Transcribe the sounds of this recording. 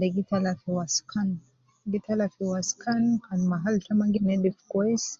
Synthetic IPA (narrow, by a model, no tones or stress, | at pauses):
dɛɡitalafiwaskan | ɡitʰalafiwaskʰankanmaɦaltamaŋɡinɛɗifkɔɛs